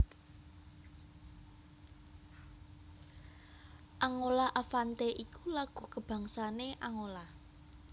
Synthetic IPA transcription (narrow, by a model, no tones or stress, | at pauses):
ʔaŋolaʔafant̪eʔikulaɡ̥ṳkəb̥ä̤ŋsaneʔaŋola